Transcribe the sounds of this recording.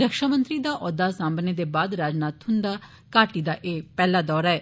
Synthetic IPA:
ɾəkʃaːmə̃nt̪ɾiːd̪aːʔɔːd̪aːsãːmbneːd̪eːbaːd̪ɾaːd͡ʒnaːt̪hʊnd̪aː | kaːʈiːd̪aːʔeːpɛːlaːd̪ɔːɾaːɛː

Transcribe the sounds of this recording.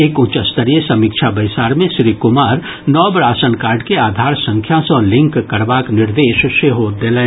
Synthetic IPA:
eːkʊt͡ʃəst̪əɾijesɐmikʃʰabəɪsaːɾmẽʃɾiːkʊmaːɾ | nɔːbɾaːsənkaːɾɖkeaːd̪ʱaːɾsə̃ŋkʰjãsɔ̃lɪ̃ŋkːəɾbaːknɪɾd̪eːʃʃeɦoːd̪eleː

